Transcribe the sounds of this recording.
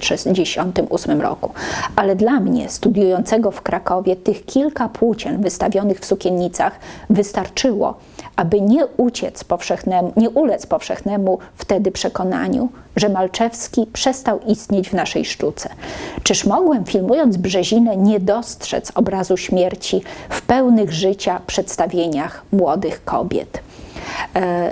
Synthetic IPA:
ʂɛd͡ʑeɕɔnt̪ɘmusmɘmɾɔ̰kualɛd̪lamɲɛ̰st̪ud̪ʲjujɔnt̪sɛɡɔfkɾakɔvʲjɛt̪ɘxkʲilkapʰwut͡ɕɛnvɘst̪avʲjɔnɘxfsukʲenɲit̪saxvɘst̪aɾt͡ʂɘwɔ̰ | ʔabɘɲɛut͡ɕɛt̪spɔfʂɛxnɛmɲɛʔulɛt̪spɔfʂɛ̰xnɛmuft̪ɛd̪ɘpʂɛkɔn̪a̰ɲṵ | ʐɛmalt͡ʂɛfskʲipʂɛst̪awist̪ɲed͡ʑvnaʂɛ̰jʂtut̪sɛt͡ʂɘʂmɔɡwɛmfʲilmujɔnd̪zbʐɛʑinɛɲɛd̪ɔstʂɛ̰t̪sɔbɾazuɕmʲjɛɾt͡ɕifpɛwnɘɣʐɘt͡ɕapʂɛt̪st̪avʲjeɲaxmwɔd̪ɘxkɔ̰bʲjɛ̰t̪

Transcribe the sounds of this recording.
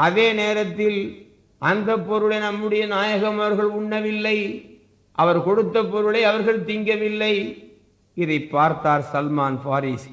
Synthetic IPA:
ʔɐðeːneːɾɐt̪ːɪl | ʔɐnd̪ɐpːɔɾɯɭɐɪnɐmːɯɽɐjɐnaːjɐɣɐmɐɐɾɣɐɭʊɳːɐʋɪlːɐɪ | ʔɐʋɐɾkɔɽɯt̪ːɐpːɔɾɯɭɐɪɐʋɐɾɣɐɭt̪ɪŋɡɐʋɪlːɐɪ | ɪðɐɪpːaːɾt̪aːɾsɐlmaːnfaːɾiːs

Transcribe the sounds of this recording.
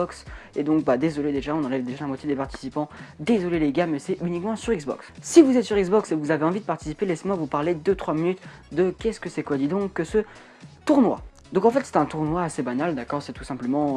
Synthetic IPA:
ɔksed̪ɔ̃k̚bad̪ezɔled̪eʒaɔ̃nɑ̃lɛvd̪eʒalamwat̪jed̪epaʁt̪i̥sipɑ̃d̪ezɔleleɡʲamɛsɛʔynikmɑ̃syʁiɡzbɔ̰ksːivuzɛt̪syʁiɡzbɔksevuzaveɑ̃vid̪əpaʁt̪i̥sipelɛsmɔʁvupaʁled̪øt̪χwaminyt̪d̪əkʲɛskəsɛkwad̪id̪ɔ̃kːəsə | t̪uʁnwa̰ | d̪ɔ̃kɑ̃fɛt̪sɛ̥t̪ɛ̃t̪uʁnwaːsebanald̪akɔʁsɛt̪u̥sɛ̃pləmɑ̃

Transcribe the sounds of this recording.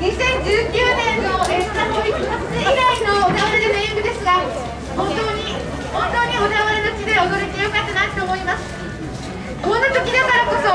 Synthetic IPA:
ɲ̟isẽ̞ɲ̟d͡ʑɨːkʲɨːnẽ̞nːoet̪anoi | oanood̪aβaɾed̪emẽɯ̃ɡɯ̟d̪e̞sɨɡa | hõ̞nt̪o̞ːɲ̟i | hõ̞nt̪o̞ːɲ̟iod̪aβaɾe̞not͡ɕid̪e̞od̪oɾok̪ʲejokat̪ːenait̪o̞ːmo̞imasɨ̥ | konːat̪okʲid̪ekaɾako̞so

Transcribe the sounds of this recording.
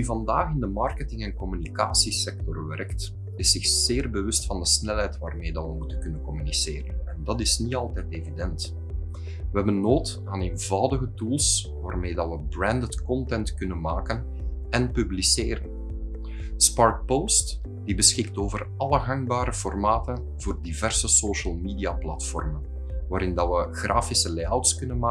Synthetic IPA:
yvɑndaːxɪndəmɑrkətɪŋɛnkɔmynika̰ːsisɛk̚tɔrʋɛ̰rkt | ɪsɪxz̥eːrbəʋɵstfɑndəsnɛlɦɛjtʋaːrmeːdɑnʋəmutənkɵnənkɔmyniseːɾənɛndɑtɪsniɑlˠtɛːteːvidɛnt | ʋəɦɛbənːoːt | aːneːnvɑwdəɣətulˠs | ʋaːrmeːdɑtʋəbrɛndətkɔntɛntkɵnənmaːkən | ɛnpybliseːɾən | spɑrt̚powst | d̥ibəsxɪk̚toːvər | ɑləɣɑŋbaːɾəfɔrmaːtən | v̥oːrdivɛrsəsoːʃəlˠmiːdiaplɑtfɔ̰rmən | ʋaːɾɪndɑʋəɣraːfisəleːawtskɵnənmaː

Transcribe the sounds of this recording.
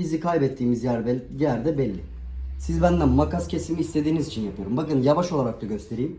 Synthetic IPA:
izikʰajbɛt̪ʰːiːmizjæɾjæɾd̪ɛbɛlʲːɪ | sizbænd̪æmmakascʰesimiːst̪ʰe̞d̪iːnizit͡ʃʰinjapʰɯjoɾumbakɯnjavaʃo̞lˠaɾak̚t̪aɟø̞st̪ʰe̞ɾijm

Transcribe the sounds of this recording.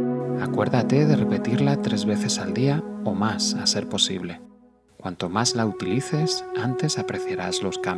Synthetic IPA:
akwe̞ɾðat̪e̞ðe̞re̞pe̞t̪iɾlat̪ɾe̞zβe̞θe̞sald̪iao̞masase̞ɾpo̞sḭβ̞le̞ | kwant̪o̞mazlaut̪iliθe̞sant̪e̞sapɾeθjaɾazlo̞skam

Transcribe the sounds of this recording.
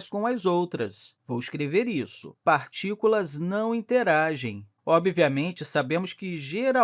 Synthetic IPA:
skõw̃ɐzowt̪ɾɐsvowiskɾeveɾisʊ̰paɾt͡ʃikulɐznɐ̃w̃ĩnt̪eɾaʒẽj̃ | ɔbviɐmẽnt͡ʃɪsabẽmʊskɪʒeɾa

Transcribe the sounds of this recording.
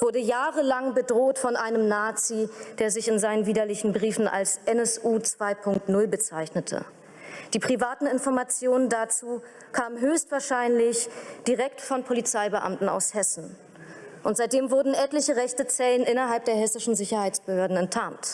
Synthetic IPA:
v̥ʊɐdəjaːʁəlaŋbədʁoːtfɔnʔaɪnəmnaːt͡sid̥eːɐzɪçɪnzaɪnənviːdɐlɪçn̩bʁiːfn̩ʔa̰lsʔɛnɛsʔuːt͡sv̥aɪpʰʊŋk̚tnʊlbət͡saɪçnətʰə̰ | d̥iːpʁ̥ivaːtn̩ɪnfɔɐmat͡sjoːnəndat͡suː | kʰaːmənɦøːçstv̥aːɐʃaɪnlɪçd̥iʁɛktfɔnpʰolit͡saɪbəʔa̰mtn̩a̰ʊshɛsn̩ | ʔʊntz̥aɪt̚d̥eːmvʊɐdn̩ʔɛtlɪçəʁɛçtət͡sɛlənʔɪnɐɦalp̚d̥eːɐɦɛsɪʃn̩zɪçɐhaɪt͡sb̥əhøːɐdn̩ɛntʰːaːnt

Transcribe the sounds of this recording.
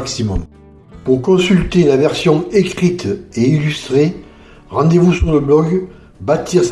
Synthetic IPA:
ksimɔm | puʁkɔ̃sylt̪elavɛʁsjɔ̃ekχit̪eilyst̪χe | ʁɑ̃d̪evusyʁləblɔɡ | bat̪ʰiʁs

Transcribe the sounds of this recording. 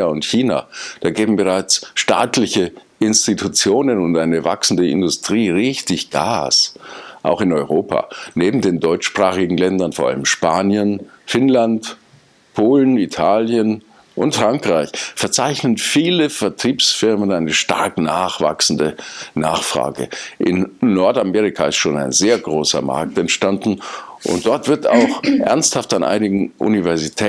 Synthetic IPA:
aʊntçiːna̰ːd̥aːɡeːbm̩bəʁ̞aɪt͡sʃta̰ːtlɪçə | ɪnstitʰut͡sjoːnənʊntʔaɪnəva̰ksn̩dəɪ̰ndʊstʁ̥iːʁɪçtɪçɡ̥a̰ːsʔa̰ʊxɪnɔʏʁoːpʰa̰ːneːbm̩deːndɔʏt͡ʃʃpʁ̥aːχɪɡŋ̩lɛndɐnfoɐʔa̰ləmʃpaːnjənfɪnlant | pʰoːlən̩itʰaːljən | ʔʊntfʁ̥aŋkʁ̥aɪçfɛɐt͡saɪçnənfiːləfɛɐtʁ̥iːpsfɪɐmənaɪnəʃta̰ɐknaːχv̥a̰ksn̩dənaːχfʁ̥a̰ːɡə̰ʔɪnːɔɐtameːʁ̞ɪkʰaɪstʃoːna̰ɪnzeːɐɡʁoːsɐ̰ma̰ɐk̚tɛntʃtandn̩ʔʊ̰nt̚d̥ɔɐtv̥ɪɐta̰ʊxʔɛ̰ɐnsthaftanʔa̰ɪnɪɡŋ̩ʔṵnivɛɐzitʰɛ

